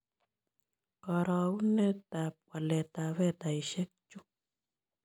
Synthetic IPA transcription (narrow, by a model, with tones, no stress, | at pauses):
kɔ˨ɾɔ˨u˦nɛ˦ta˨p̚kwa˨lɛ˨ta˨βɛ˦˨ta˨i˨ʃɛ˦k̚t͡ʃu˦